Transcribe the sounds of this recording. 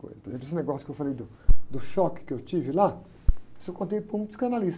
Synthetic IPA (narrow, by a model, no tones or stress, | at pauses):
ko̰jpoɾezẽplesɪneɡɔsjʊ̥kɪewfalejd̪ʊ | d̪ʊʃɔkɪ̥kɪewt͡ʃivɪla | sɪewkõnt̪̬ejpɾʊũpsi̥kanalis